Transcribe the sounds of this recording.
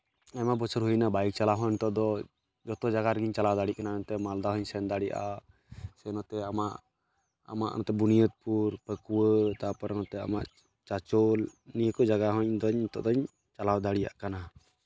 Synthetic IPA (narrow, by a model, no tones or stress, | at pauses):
amabɔt͡ʃʰɔɾɦujnabajk̚t͡ʃalaɦɔɲɲt̪ɔʔd̪ɔ | d͡ʒɔt̪ɔd͡ʒaɡaɾɡiɲt͡ʃalawd̪aɽiʔkanant̪ɛmald̪aɦɔɲsɛnd̪aɽiʔa̰ | sɛnɔt̪ɛamaʔ | a̰ma̰ʔɔt̪ɛbunijɔt̪̚puɾpəkuwət̪apɔɾnɔt̪ɛa̰ma̰ʔ | t͡ʃat͡ʃɔlnijəkɔd͡ʒaɡaɦɔɲd̪ɔɲt̪ɔ̰ʔd̪ɔɲ | t͡ʃalawd̪aɽija̰ʔkana